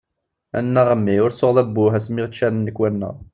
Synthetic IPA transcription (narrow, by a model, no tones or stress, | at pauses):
æ̰nːæʁəmːiʊɾsoʁðæbːʊɦæsmiʁt̪ʃænənːəkːwænːə̰ʁ